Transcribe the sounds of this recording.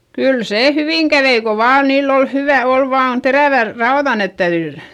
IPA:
kyl seː hyʋiŋ kæʋei ko ʋɑːn niːlː ol hyʋæ ol ʋɑːn teræˑʋær rɑoðɑ net tæyðy

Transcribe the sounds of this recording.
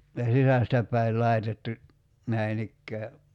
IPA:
jɑ sisæstæ pˑæi̞l lɑi̞tetːu næin ikːæː

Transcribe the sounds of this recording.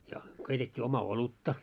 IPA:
jɑ keitetʲːiː omɑ olutːɑ

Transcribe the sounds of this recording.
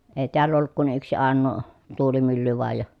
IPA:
eˑi̯ teælː olːuk kun yksi ɑˑenːoː tuːlimylːy ʋoɑj jɑ

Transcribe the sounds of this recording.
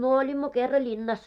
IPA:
myø olʲimːo kerːɑ lʲinːɑs

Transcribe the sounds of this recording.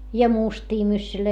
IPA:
jɑ mustiː mysːyløi

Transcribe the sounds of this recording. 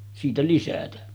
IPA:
siːtæ lisætæ

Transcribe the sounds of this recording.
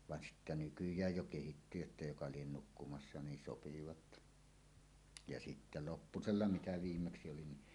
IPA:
ʋɑn sitːæ nykyjˑæj jo kehitːy jotːɑ jokɑ lien nukːumɑsːɑ niːn sopiʋɑt jɑ sitːæ lopːuselːɑ mitæ ʋiːmːeksi oli ni

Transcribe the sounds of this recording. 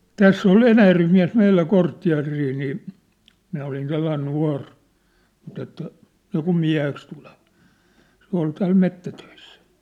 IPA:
tæsː ol enæjærʋem miæ̝s meilːæ kortːiɑ̝riː niː minæ olin selːɑin nuɑ̝r mut etːæ niːkum miæ̝heks tule̥ʋ̥ɑ̥ se ol tæːl metːætøisːæ̥

